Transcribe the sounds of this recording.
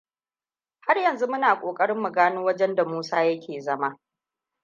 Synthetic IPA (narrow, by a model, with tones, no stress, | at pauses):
ha˦rjɐ˨nzu˦mʊ˦naː˨kʷʼoː˨kʼɐ˦ɽɪ˦mːu˨ɡaː˦noː˦wɐ˦d͡ʒɛ˦nda˨muː˦saː˦jɐ˦kʲʰeː˨zɐ˦maː˦